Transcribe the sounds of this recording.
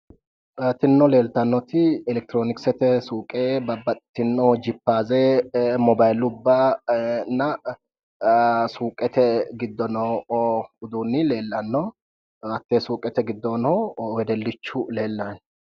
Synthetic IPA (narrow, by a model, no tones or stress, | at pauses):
t̪ɪnːɔle̞ːlt̪ɐnːɔt̪ɪɛlɛk̚t̪ɪɾoːnɪksɛt̪ɛsuːkʼebɐbɐt̪ːɪnːɔd͡ʒɪpːaːzeːmɔbajlʊʊbːa | nːɐ | suːkʼɛt̪ɛɡɪd̪ːɔnɔ | ʊd̪uːnːɪle̞ːlːɐnːɔ | ɐt̪ːeːsuːkʼɛt̪ɛɡɪd̪ːɔnɔwɛd̪ɛlːɪt͡ʃːʊle̞ːlːan